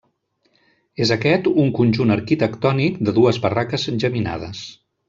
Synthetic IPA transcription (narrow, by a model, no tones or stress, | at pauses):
ezəkɛt̪uŋkunʲʒunəɾkit̪əkt̪ɔnikd̪əðuəzβərakəzʒəmina̰ð̞ə̰s